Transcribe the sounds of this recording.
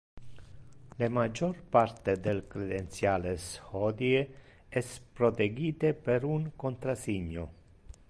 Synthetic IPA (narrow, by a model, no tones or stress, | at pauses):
lemad͡ʒorpart̪ed̪elkɾed̪ent̪sjaːleshɔːd̪ie | ɛspɾot̪eɡiːt̪epeɾuŋkont̪ɾasiɲːo̰